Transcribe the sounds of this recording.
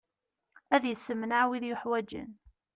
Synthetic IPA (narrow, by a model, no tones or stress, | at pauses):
æðjəsːəmnaʕwiðjʊħwæd͡ʒə̰n